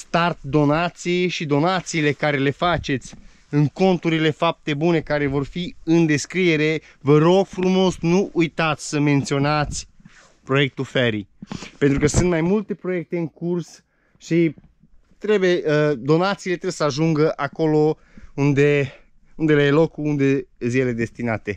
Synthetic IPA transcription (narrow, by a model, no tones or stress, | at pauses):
st̪art̪̚d̪o̞nat̪sijʃid̪o̞nat̪siːle̞kaɾe̞le̞fat͡ʃe̞t̪sʲ | ɨŋko̞nt̪uɾile̞fap̚t̪e̞bune̞kaɾe̞vo̞rfiɨnd̪e̞skɾie̞ɾe̞ | vəɾo̞ɡ̥fɾumo̞snuʔujt̪at̪sʲsəme̞nt̪sio̞nat̪sʲ | pɾo̞je̞k̚t̪ufeɾipent̪ɾukəsɨnt̪majmult̪e̞pɾo̞je̞k̚t̪e̞ɨŋkurs | ʃi | t̪ɾe̞bujeəd̪o̞nat̪siːlet̪ɾewjesəaʒuŋɡəʔako̞lo̞ | und̪e̞ | und̪e̞leajelo̞kuund̪e̞zilele̞d̪e̞st̪inat̪e̞